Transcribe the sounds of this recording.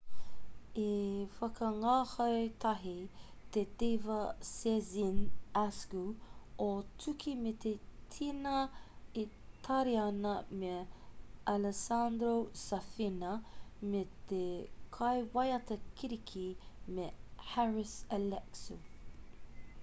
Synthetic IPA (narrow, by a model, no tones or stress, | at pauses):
ifɐkəŋaːhɐjt̪ʰɐɦit̪etevɐsɛzinaskuotʰukʰimetʰetʰinɐi | tʰɐɾiɐnɐme | aləsand̪ɾosɐfinɐmet̪ekʰɐjwɐjɐtɐkʰiɾikʰimehaɹɪsɐlɛksu